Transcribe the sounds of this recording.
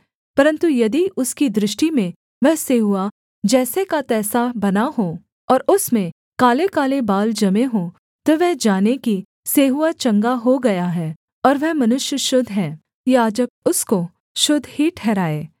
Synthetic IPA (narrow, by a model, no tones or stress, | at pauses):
pɐɾə̃nt̪ujɐd̪iʊskid̪ɾɪʃʈimẽ | ʋɛɦseːɦʊa | d͡ʒɛːsekat̪ɛːsabɐnaɦoː | ɔːɾʊsmẽ | kaːlekaːlebaːld͡ʒɐmeɦo | t̪oʋɛɦd͡ʒaːneki | seːɦuat͡ʃɐ̃ŋɡaɦoɡɐjaɦɛː | ɔːɾʋɛɦmɐnʊʃjəʃʊd̪ʱɦɛ̃ː | jaːd͡ʒɐb̚ʊsko | ʃʊd̪ʱhiʈʰɛːɾaːeː